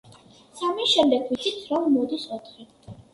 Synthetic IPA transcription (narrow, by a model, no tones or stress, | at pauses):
samiʃɛmd̪ɛɡʰwit̪sʰit̪sʰɾɔmːɔd̪isɔt̪ʰχi